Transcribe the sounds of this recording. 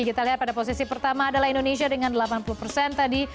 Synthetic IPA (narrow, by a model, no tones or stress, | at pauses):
iɡit̪aliɦat̪̚padapos̬isipərt̪amaːdalahindoneʃ̬iadəŋandəlapanpulupərsɛnt̪adi